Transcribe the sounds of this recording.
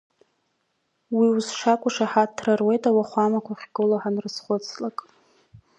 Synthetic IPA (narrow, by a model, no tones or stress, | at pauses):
wiwuzʂakʷʼʊʂaħatʰrarwe̞jtʼawaχʷamakʷaχʲɡɨlaħanrɨsχʷʊt͡sʰlakʼ